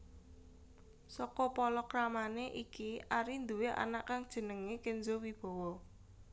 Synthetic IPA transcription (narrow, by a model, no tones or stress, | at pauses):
sɔkɔpɔlɔkɾamaneʔikiʔaɾind̪uweʔa̰naʔkaŋd̥ʒ̥ə̤nəŋekenzowib̥ɔ̤wɔ